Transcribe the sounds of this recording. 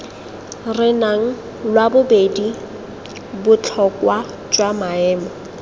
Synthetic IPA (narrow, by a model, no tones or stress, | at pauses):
rɪnaŋ̩ | lwabʊbedi | bʊt͡ɬʰɔkwa | t͡ʃʼwamaɛːmɔ